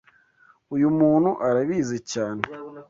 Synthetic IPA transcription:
ujumuːnhuʔaɾaβiːzecaːne

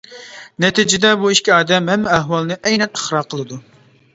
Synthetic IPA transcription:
nɛt̪id͡ʒɪd̪ɛbuiʃkʲiɑːd̪ɛmɦɛmːɪɛɦwɑlˠnɨʔɛjnɛnəχɾɑqʰəlˠɨd̪u

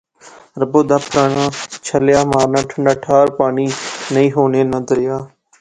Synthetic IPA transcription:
ɾəboːd̪aːpʰɾaːnãːt͡ʃʰəljaːmaːɾnãːʈʰəɳɖaːʈʰaːɾpaːniːnəĩːɦoːneːnəd̪ɾɪjaː

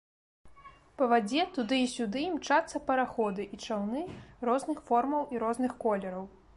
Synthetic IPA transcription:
pɐvad͡zʲɛt̪ud̪ɨisʲud̪ɨimt͡ʂat̪sːɐpɐɾaxɔd̪ɨʔit͡ʂawnɨrɔznɨxfɔrmɐwiɾɔznɨxkɔlʲɛɾɐw

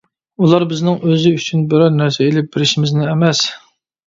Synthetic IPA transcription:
ulˠɑɾbɪznɪŋʔøzɪyt͡ʃʰynbɪɾɑɾnæɾsɛelɪp̚b̥ɪɾɪʃɪmɪznɪɛmɛs

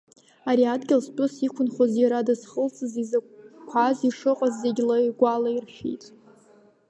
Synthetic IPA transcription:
aɾiadɡʲɪlspʼʊsikʷʰʊnχozjaɾadazχəlt͡sʼɨzizakʷʰaziʂɨqʼazːeɡʲlaiɡʷalairʃᶣḭjtʼ

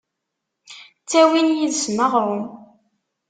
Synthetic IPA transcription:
t͡sːæwinjiðsməʁɾˤʊm

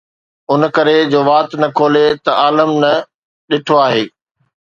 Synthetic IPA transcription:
ʊnkɐɾed͡ʑoːʋaːt̪nɐkʰoːlet̪ɐʔaːləmnɐ | ɗɪʈʰoaːɦeː

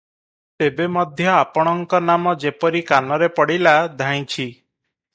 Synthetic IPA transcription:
t̪ebemɔd̪ʱjɔapɔɽ̃ɔŋkɔnamɔd͡ʒepɔɾikanɔɾepɔɽilad̪ʱãj̃t͡ʃʰi

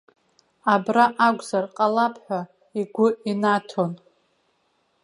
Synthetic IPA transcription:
abraʔaɡʷzarqʼalapʰħʷᶣa | iɡʷʊinatʰo̞n

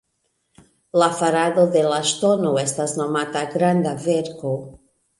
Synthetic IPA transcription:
lafaɾaðoðelaʃt̪onoest̪aznomat̪aɡɾand̪aveɾko

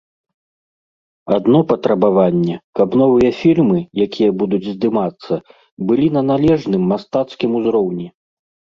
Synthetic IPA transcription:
ad̪nɔpɐt̪ɾɐbavanʲːɛkɐbnɔvɨjɐfʲirmɨjakʲʰijɐbud̪ud͡zʲzd̪ɨmat̪sːɐ | bɨlʲinɐnalʲɛʐnɨmːast̪at̪skʲimuzɾɔwnʲi

